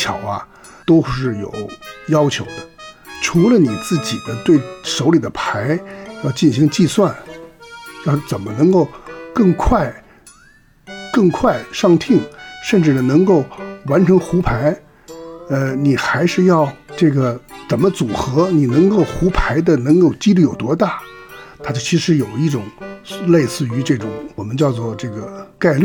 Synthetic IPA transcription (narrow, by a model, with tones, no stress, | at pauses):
t͡ɕʰjɑ˨˩ʊɐ˧ | t̪o˥ʊʂɻ̩˥˩jo̰˨˩ʊjɑ˥ʊt͡ɕʰjo˧˥ʊd̪ə˧ʈ͡ʂʰu˧˥lə˧ni˨˩t͡sɹ̩˥˩t͡ɕi˨˩d̪ə˦t̪we˥˩ɪʂo˧˥ʊli˨˩d̪ə˦pʰa˧˥ɪjɑ˥˧ʊt͡ɕi˥˩nɕi˧˥ŋt͡ɕi˥˧swa˥˩n | jɑ˥˩t͡sə˨˩nmə˦nɤ˧˥ŋko˥˧ʊkɤ˥˧ŋkʰwa˥˩ɪ | kɤ˥˧ŋkʰwa˥˩ɪʂɑ˥˧ŋt̪ʰi˥˩ŋʂə˥˧nʈ͡ʂɻ̩˥˩nə˩nɤ˧˥ŋko˥˩ʊwa˧˥nʈ͡ʂʰɤ˧˥ŋxu˧˥pʰa˧˥ɪ | ə˧ni˨˩xa˧˥ɪʂɻ̩˥˧jɑ˥˩˧ʊʈ͡ʂɤ˥˩ɡə˩t͡sə˨˩mə˦t͡su˨˩xɤ˧˥ni˨˩nɤ˧˥ŋko˥˩ʊxu˧˥pʰa˧˥ɪd̪ə˧nɤ˧˥ŋko˥˧ʊt͡ɕi˥li˥˩jo˨˩ʊt̪wɔ˥t̪a˥˩t̪ʰa˥t͡ɕt͡ɕʰi˧˥ʂɻ̩˧˥jo˨˩ʊi˥˩ʈ͡ʂʊ˨˩˦ŋle˥˧ɪsɹ̩˥˩y˧˥ʈ͡ʂɤ˥˩ʈ͡ʂʊ̰˨˧˥ŋwɔ˨˩mə˦nt͡ɕjɑ˥˧ʊt͡swɔ˥˧ʈ͡ʂɤ˥˩ɡə˩ka˥˧ɪly˥˩